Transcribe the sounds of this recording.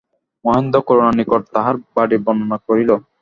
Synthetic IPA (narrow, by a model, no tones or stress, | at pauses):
mɔɦend̪okɔɾonanikoʈ̚t̪aɦaɾbaɖibɔnonakoɾilo